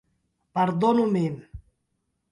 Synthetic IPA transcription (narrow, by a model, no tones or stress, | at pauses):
pəɾd̪onumem